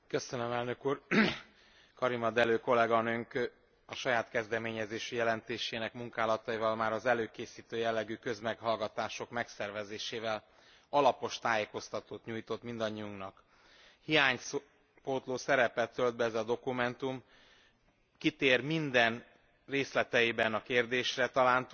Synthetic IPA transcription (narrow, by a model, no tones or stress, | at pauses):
kø̞sønømɛlnøkuːr | kɒɾimɒd̪ɛløːko̞lɛɡɒnøŋk | ɒʃɒjaːt̪kɛzd̪ɛmeːɲɛzeːʃyjɛlɛnt̪eːʃeːnɛkmuŋkaːlɒt̪ɒivɒlmaːɾɒzɛløːkeːsiːt̪øːjɛlːɛɡykø̞zmɛkhɒlɡɒt̪aːʃo̞kmɛksɛrvɛzeːʃeːvɛl | ɒlɒpo̞ʃt̪aːjeːko̞st̪ɒt̪oːt̪ɲuːjt̪o̞t̪mind̪ɒɲːiuŋknɒk | hijaːɲs | poːt̪loːsɛɾɛpɛt̪ːøld̪̚bɛɛzɒd̪o̞kumɛnt̪um | kit̪eːrmind̪ɛn | reːslɛt̪ɛjibɛnɒkeːrd̪eːʃrɛt̪ɒlaːnt̪